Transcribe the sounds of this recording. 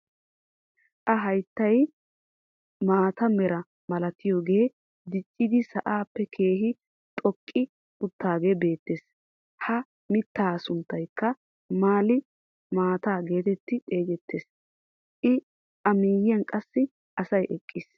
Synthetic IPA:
ʔɐɦɐjt̪ːɐj | maːt̪ɐmɛɾɐ | mɐlɐt̪ɪjoːɡe̞ː | d̪ɪt͡ʃʼːɪd̪ɪsɐʔaːpːɛkʰe̞ːɦɪ | t̪ʼɔkʼːɪ | ʊt̪ːaːɡebe̞ːt̪ːeːs | hɐ | mɪt̪ːaːsʊnt̪ːɐjkːɐ | maːlɪ | maːt̪aːɡe̞ːt̪ɛt̪ːɪt̪ʼe̞ːɡɛt̪ːeːs | ʔɪ | ʔɐmiːjɪjɐnkʼɐsːɪ | ʔɐsɐjʔɛkʼːɪs

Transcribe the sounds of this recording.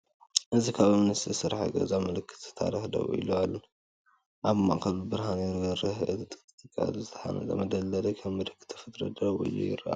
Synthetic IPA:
ʔɨzikʰaβɐmnɨst̪ʰisɨɾaħaɡɐ̰zamɨlɨkʰːɨ̥t̪ɨ̥t̪ʰa̰ɾixd̪ɐ̰βṵʔḭlualːɐ | ʔaβma̰kʰɐlɨbɨɾɦanɾɡɐɾɐhɨt̪t̪ʼɨt̪ʼɨkʼa̰lzɨt̪ʰɐ̥ħa̰nɐ̰t̪ʼɐmɐd̪ɐlːɐlɐkʰɐβmɨd̪ɨkʰːɨ̥t̪ʰːɐ̥fɨt̪ʼɾɐ̰d̪ɐβuḭlːṵjɪ̰ɾa̰

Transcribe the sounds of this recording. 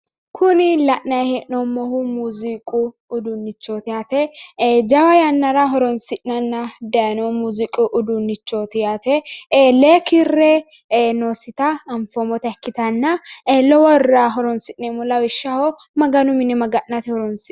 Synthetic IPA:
kʰʊnɪlɐʔnɐjhɛʔnɔmːɔhumuzikʼʊː | d̪ʊnːɪt͡ʃːot̪ɪjat̪ɛd͡ʒɐwɐjɐnːɐɾɐɦɔɾɔnsɪʔnɐnːɐd̪ɐjɐnɔmuzɪkʼʊʔʊd̪unːɪt͡ʃːot̪ɪjat̪ɛleːkɪrːɛ | noːsɪt̪ɐɐmfɔmɔt̪ɐɛkːɪt̪ɐnːɐlɔwɔrːaɦɔɾɔnsɪʔnɛmʊlɐwɪʃːɐhɔ | mɐɡɐnʊmɪnɛmɐɡɐʔnɐt̪ɪhɔɾɔnsɪ

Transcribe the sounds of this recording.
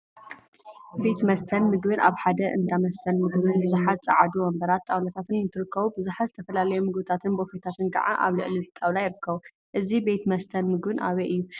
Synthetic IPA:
be̞t̪mɐst̪ʰɐnmɨɡbɨnʔaβħad̪ɐʔɨnd̪amɐst̪ʰɐnmɨɡbɨnbɨzuħat̪̚t͡sʼɐʕad̪iwɐmbɐɾat̪ʼːawlat̪ʰat̪ʰɨnnɨt̪ʰɨɾɨkːɐβubɨzuħat̪zɨt̪ʰɐfɐlalɐjumɨɡbɨt̪ʰat̪ʰɨnbofet̪ʰat̪ʰɨnɡɐ̰ʕa̰ʔa̰βlɨ̰ʕlit̪ʼawlajɪɾɨkʰːɐβu | ʔɨzibe̞t̪mɐst̪ʰɐnmɨɡbɨnʔa̰βeʔɨjːu

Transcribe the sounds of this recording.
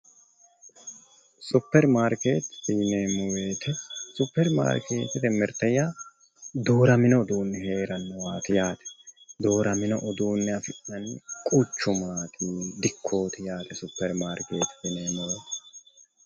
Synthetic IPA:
sʊpːɛɾmaːɾke̞ːt̪biːneːmɔweːt̪ʰɛsʊpːɛɾma̰ːɾkʰe̞̰ːt̪ɪd̪ɛmɛɾt̪ɛjaː | d̪oːɾɐmɪnɔːd̪uːnːɛhe̞ːɾɐnːɔwaːt̪ɪjaːt̪ɛ̥d̪o̞ːɾɐmɪnɔʔɔd̪uːnːɛɐfɪʔɐnkʼʊt͡ʃːʊmaːk̪ʰʼiːd̪ɪkʰːo̞ːt̪ɪjaːt̪ɛsʊpːɛɾmaːɾke̞ːt̪fɪneːmɔweːt̪

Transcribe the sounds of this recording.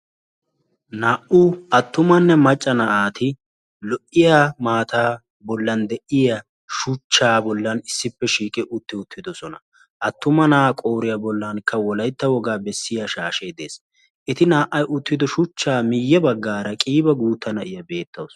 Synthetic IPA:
naːʔuɐt̪ːʊmɐnːɛmɐt͡ʃʼːɐnɐʔaːt̪ɪ | lɔʔɪjamaːt̪aː | bɔlːɐnd̪ɛʔɪja | ʃʊt͡ʃːaːbɔlːɐnɪsːɪpːɛʃiːkʼɪʔʊt̪ːɪʊt̪ːɪd̪ɔsɔnɐ | ʔɐt̪ːʊmɐnakʼo̞ːɾɪjabɔlːɐnkʰːɐwɔlɐjt̪ːɐwɔɡaːbɛsːɪjaʃaːʃeːd̪ḛːs | ʔɪt̪ɪnaːʔɐjʔʊt̪ːɪd̪ɔʃʊt͡ʃːaːmɪjːɛbɐɡːaːɾɐkʼiːbɐɡuːt̪ːɐnɐʔɪjɐbe̞ːt̪ːɐws

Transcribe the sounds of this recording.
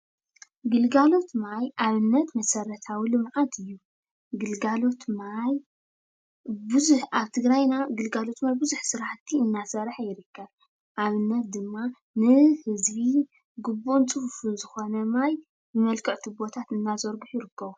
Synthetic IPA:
ɡɨlɡalo̞t̪majʔaβɨnːɐt̪mɐsɐɾɐt̪ʰawilɨmʕat̪ʰɨjːu | ɡɨlɡalo̞t̪maj | bɨzħʔaβt̪ʰɨɡɾajnaɡɨlɡalo̞t̪majbɨzuħsɨɾaħt̪ʰiɨnːasɐɾħajɪɾɨkːɐβ | ʔaβɨnːɐt̪̚d̪ɨmːa | nɨhɨzβi | ɡɨbuʔnt͡sʼɨhufuzɨxo̞nɐmaj | bɨmɐlkʰɐʕt̪ʰubo̞t̪ʰat̪ɨnːazoɾɡɨħjɪɾɨkːɐβu

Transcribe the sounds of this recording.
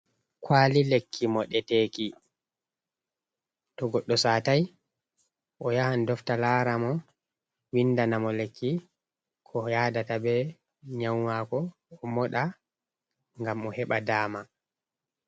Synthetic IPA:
kwaːlilekːimɔɗɛteːki | tɔɡɔɗːɔsaːtaj | ʔɔjahandɔftalaːɾamɔ | windanamɔlekːi | kʰɔjadatabɛ | ɲawmakɔː | mɔɗa | ŋɡamɔhɛɓadaːma

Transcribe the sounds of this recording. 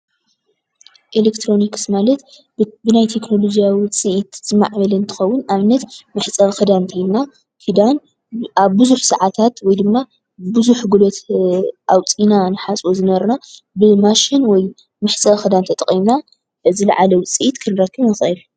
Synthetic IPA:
ʔelekt̪ʰɾo̞nikɨ̥smalɐt̪ | bɨnajt̪ʰe̞kno̞lo̞d͡ʒijawit͡sʼɨʔit̪z̥ɨma̰ʕβɐlɐnt̪ʰɨ̥xɐwːʊnaβɨnːɐt̪mɨħt͡sʼɐxɨd̪ant̪ʰɐlna | kɨd̪an | aβbɨzuħsaʕat̪ʰat̪wɔjd̪ɨmːa | bɨzuħɡulot̪ʔawt͡sʼinanɨħat͡sʼozɨnɐβɐɾna | bɨmaʃinwɔj | mɨħt͡sʼɐxɨd̪ant̪ʰɐt̪ʼɐχʼimna | zɨla̰ʕalɐwt͡sʼɨʔit̪kʰɨnɨɾɐkʰːɨβnɨxɨl

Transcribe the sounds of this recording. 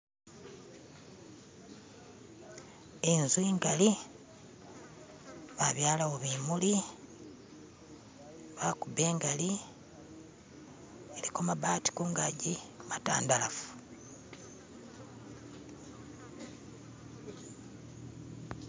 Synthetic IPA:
enzwiːŋɡali | βaβjaːlaoβiːmuli | βakubeːŋɡali | elikomabaːti̥koŋɡaɟimata̰ːndalafu̥

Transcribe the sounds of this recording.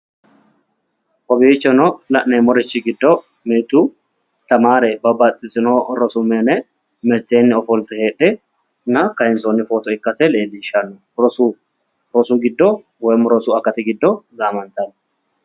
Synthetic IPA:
ʔɔbiːt͡ʃːɔnolɐʔneːmɔɾɪt͡ʃːiɡɪd̪ːo | miːt̪uː | t̪ɐmaːɾebɐbːaːt̪ʼɪsɪnoɾɔsʊmeːnɛ | mɛt̪eːnːɪɔfɔlt̪ɪheːᶑɛ | nɐkɐhɪnsoːnːɪfoːt̪ɔɪkːɐsɛleːlːiʃɐnʊ | ɾɔsu | ɾɔsuːɡɪd̪ːo | wɛmʊɾɔsuːɐkːɐt̪ɪɡɪd̪ːoɡaːmɐnt̪ɐn

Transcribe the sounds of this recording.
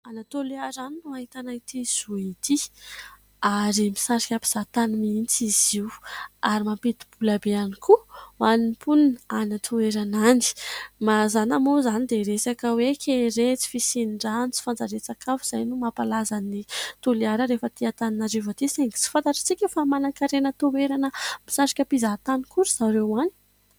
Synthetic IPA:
anat̪oliaɾaninuaɦit̪anait̪iz̥uit̪i | aɾimisaɾi̥kʲapi̥z̥at̪animint͡siziwaɾimampet̪i̥b̥ulabeanikʰuannpʰunnanat̪ʰueɾanani̥mazanamozanid̪eɾesakəwekʰʲeɾet͡si̥fisiniɳɖ͡ʐant͡si̥fand͡zaɾet͡sakʰafuz̥ajnumapalazanit̪uliaɾəɾefət̪iat̪aninaɾivət̪iseŋɡi̥t͡si̥fant̪aʈ͡ʂḁt͡sikʲəfamanakaɾenət̪oweɾanəmisaɾi̥kʲapizat̪anikuɾiz̥aɾewani̥

